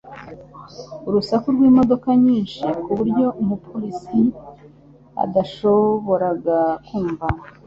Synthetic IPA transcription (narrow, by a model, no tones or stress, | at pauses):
uɾusakuɾɡwiːmo̞do̞kaɲiːnʃikuβuɾɟo̞ʔumupʰoɾisi | a̰daʃo̞βo̞ɾaɡakuːɱvana